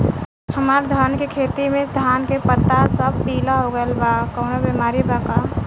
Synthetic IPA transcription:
həmaːɾd̪ʱənkekʰeːt̪imẽd̪ʱaːnkepət̪ːasəb̚ʱpiːlaɦoɡəlbakəʊnabimaːɾibaka

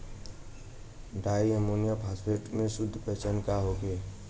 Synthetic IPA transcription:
ɖaːiəmoːnijapʰaːspʰeːʈmẽsʊd̪ʱːpɛt͡ʃənkaɦoːɡeː

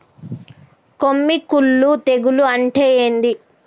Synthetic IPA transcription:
komːikulːut̪eɡuluɐɳʈeːjeːnd̪i

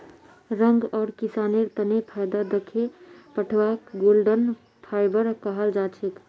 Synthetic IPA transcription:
ɾəŋɡɔːɾkisaneɾt̪ənepʰajd̪ad̪əkʰepəʈʰʋakɡolɖən | pʰajbəɾkəɦəld͡ʒat͡ʃʰek

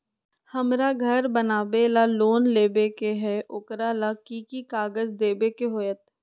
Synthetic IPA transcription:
həmɾaːɡʱəɾbənaːbelaːloːnleːbekeɦɛːʔʊkɾalaːkiːkikaːɡəzd̪eːbekeɦoːjət̪

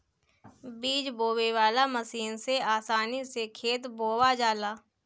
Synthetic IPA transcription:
biːd͡ʒboːweʋaːlaməsiːnseaːsaːnisekʰeːt̪boːwad͡ʒaːlaː

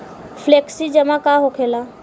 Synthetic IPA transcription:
fʰleːksid͡ʒəmãkaɦokʰelaː

